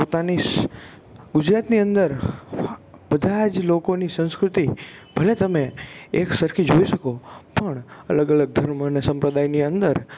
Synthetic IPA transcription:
pot̪ani | ɡʊd͡ʒɾat̪niə̃nd̪əɾ | bəd̪ʱad͡ʒlokonisə̃skɾʊt̪ibʱəlet̪əmeeksəɾkʰid͡ʒoiʃəkopəɳələɡələɡ̚d̪ʱəɾmənesə̃mpɾəd̪ajniə̃nd̪əɾ

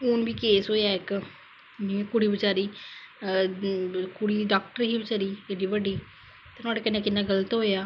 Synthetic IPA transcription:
uːnbiːkeːsɦoːjaːɪk | nĩkʊɽiːbɪt͡ʃaːɾiː | kʊɽiːɖaːk̚ʈəɾɦiːbɪt͡ʃaːɾiːɪɖiːbəɖiː | t̪ːnõaːɖeːkɪnːẽːkɪnːãːɡələt̪ɦoːjaː

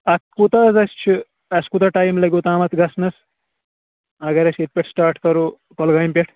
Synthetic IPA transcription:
ɐtkut̪ɐzɐst͡ʃʰu | ɐskut̪ɐʈaːjmlɐɡʲut̪aːmɐt̪ʰɡɐsnɐs | ɐɡɐɾɐset̚pʲeʈʰsʈaːɾʈkɐɾu | kolɡaːjmpʲeʈʰ

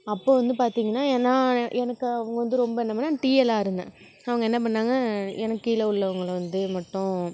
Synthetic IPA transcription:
ɐpːoːʋɐnd̪ɯpaːɾt̪iːŋɡɐnːaːɛnːãːɛnɐkːɯɐʋɐŋɡɐʋɐnd̪ɯɾɔmbɐɛnːɐpɐnːaːʈiːɛlaːɪɾɯnd̪ã̰ː | ɐʋɐŋɡɐɛnːɐp̬ɐɳːaːŋɡɐɛnɐkːɯɪlɐʊɭːɐʋɐŋɡɐɭʋɐnd̪ɯmɐʈːʊ̃

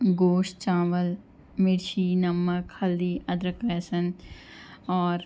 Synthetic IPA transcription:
ɡoːʃt͡ʃaːʋəl | mɪɾʃiːnɐmːəkhɐlːiːɐd̪ɾəkesən | ɔːɾ

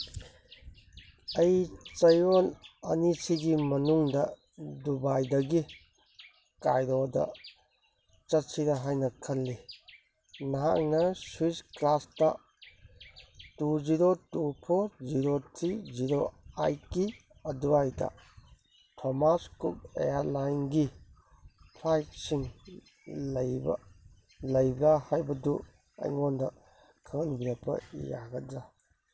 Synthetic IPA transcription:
ɐjt͡ʃɐjolɐ̰nisiɡimɐnuŋdɐ | dubajdɐɡi | kajɾodɐ̰ | t͡ʃɐt̚siɾɐɦajnɐkʰɐlːi | nɐɦa̰k̚nɐswisklastɐ | tuziɾotupʰoɾziɾotʰɾiziɾoajki | ɐduajdɐ̰ | tʰomaskup̚ḛjaɾlajnɡi | pʰlajt̚siŋ | lɐjbɐ̰ | lɐjɡahajbɐdu | a̰jŋondɐ | kʰaŋnbiɾapʰːɐ̰ḭja̰ɡɐd͡ʒa

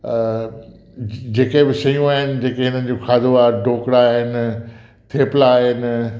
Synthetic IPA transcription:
d͡ʑeːkebɪsɐjũaːɦɪnɪ̆d͡ʑeːkeɦɪnənɪ̆d͡ʑoxaːd̪ʱoaːɾɖʱoːkɽaːɦɪnɪ̆ | t̪ʰeːpɪlaːɦɪnɪ̆

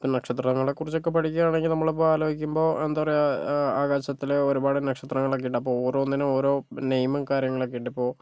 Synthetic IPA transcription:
pːoːnɐkʂɐt̪rɐŋːɐɭekːurit͡ɕːokːepɐʈʰikʲːuɣaːɳeŋɡilnɐmːɐɭep̬ːoːaːloːɡikʲːumbo̞ːʔend̪aːʋɐrejaːɣaːɕɐt̪ːileoɾubaːɽɨnɐkʂɐt̪rɐŋːɐɭok̬ːeijʈːɐpːo̞ːoːɾoːnːinɨo̞ːɾo̞ːnejmɨkaːɾjɐŋːɐɭokːejʈːipːo̞ː

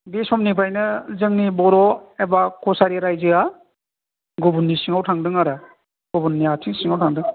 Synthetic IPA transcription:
besɔmnipʰajnɯzɯŋnibɔɾɔebakʰɔsaɾiɾajzɯa | ɡubunːisiŋawtʰaŋdɯŋaɾa | ɡ̥ubunːiatʰiŋsiŋawtʰaŋdɯŋ

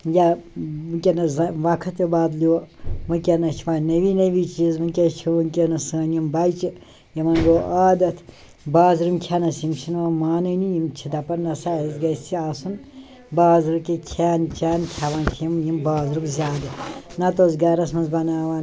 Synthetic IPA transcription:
jamɨkʲenɐzɐʋɐkʰɐt̪ibaːd̪liomɨkʲɐnɐt͡ʃʰiʋaːnnɐʋiːnɐʋiːt͡ʃizmɨnkʲet͡ʃʰiʋɨnkʲenɐsəːnjimbɐjt͡ʃi | jɐmɐnɡoːʔaːd̪ɐt̪ʰ | baːzɾɨmkʲʰanɐsimt͡ʃʰinʋɐmaːnɨnijimt͡ʃʰid̪ɐpɐɾnɐsazɡɐst͡sʰiaːsun | baːzɾɨkʲikʲʰaːnt͡ʃʰaːnkʲʰaʋaːnkʲʰijimjimbaːzɾɨbzʲaːd̪ɨnɐt̪oːzɡɐɾɐsmɐnzbɐnaːʋaːn

